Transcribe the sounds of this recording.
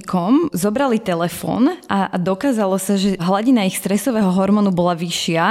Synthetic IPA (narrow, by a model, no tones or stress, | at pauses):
kɔmzɔbɾalit̪ɛlɛfɔ̰ːnʔad̪ɔkaːzalɔsaʒɛɦlaɟinaixst̪ɾɛsɔʋɛːɦɔɦɔɾmɔnubɔlaʋiʃɪa